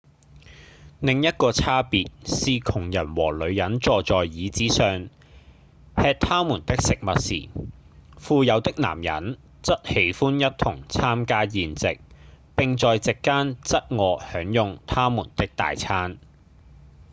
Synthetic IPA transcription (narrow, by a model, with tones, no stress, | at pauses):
nɪ˨˧ŋjɐ˥t̚kɔː˧t͡sʰaː˥piː˨t̚siː˨˧kʰʊ˨˩ŋjɐ˨˩nwɔː˨˩lɵ˨˧ɥjɐ˨˥nt͡sɔː˨˧t͡sɔː˨jjiː˨˧t͡siː˨˥sœː˨˧ŋ | hɛː˧t̚t̪ʰaː˥muː˨˩nt̪ɪ˥k̚sɪ˨k̚mɐ˨t̚sḭː˨˩ | fuː˨˧jɐ˨˧wt̪ɪ˥k̚na̰ː˨˩mjɐ̰˨˥n | t͡sɐ˥t̚he˨˥jfuː˥njɐ˥t̚t̪ʰʊ˨˩ŋt͡sʰaː˥mkaː˥jiː˨˩nt͡sɪ˨k̚pɪ˨ŋt͡sɔː˨jt͡sɪ˨kːaː˥nt͡sɐ˥t̚ŋɔː˨˧hœː˨˥ŋjʊ˨˧ŋt̪ʰaː˥muː˨˩nt̪ɪ˥k̚t̪a̰ː˨jt͡sʰaː˥n